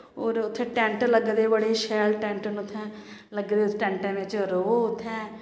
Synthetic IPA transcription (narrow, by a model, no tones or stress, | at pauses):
oːɾʊt̪ʰːẽːʈɛ̃ːɳʈləɡd̪eːbəɽeːʃɛːlʈɛ̃ːɳʈənʊt̪ʰːɛ̃ː | ləɡd̪eːʈɛ̃ːɳʈɛ̃ːʋɪt͡ʃɾoːʊt̪ʰːɛ̃ː